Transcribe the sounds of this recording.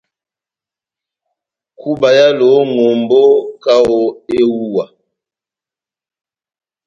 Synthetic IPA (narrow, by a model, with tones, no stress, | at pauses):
ku˦ba˨ja˦lo˨˦ŋo˨mbo˦ka˦o˨e˦wu˦˨wa˨